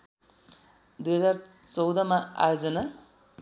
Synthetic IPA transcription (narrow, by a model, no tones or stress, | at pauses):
d̪ujɦʌd͡zart͡sʌwd̪ʌmaa̰jod͡zʌna